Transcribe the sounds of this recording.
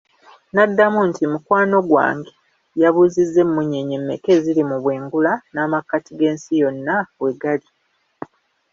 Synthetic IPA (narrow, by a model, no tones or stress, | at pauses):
nadːamuntimukwaːno̞ɡwa̰ːŋɡe | jaβuːzizːe̞mumuɲe̞ɲemːe̞ke̞zilimuβwe̞ːŋɡulanaːmakːatiɡe̞ːnsijo̞nːawe̞ɡali